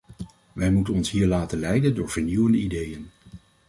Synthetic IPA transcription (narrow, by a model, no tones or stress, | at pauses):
ʋɛjmutənɔnsɦiːɹlaːtənlɛjdəndʊːɹv̥əɹniwəndəidejən